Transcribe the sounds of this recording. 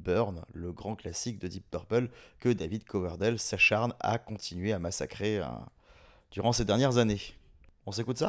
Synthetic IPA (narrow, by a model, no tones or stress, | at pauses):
bœʁnləɡʁɑ̃klasik̚d̪əd̪ip̚ːœʁpœlkəd̪avid̪kʰɔvaʁd̪ɛlsaʃaʁna̰kɔ̃t̪ʰinɥeamasa̰kχḛ | d̪̥yʁɑ̃sed̪ɛʁnjɛʁzane | ɔ̃s̬ekut̪sa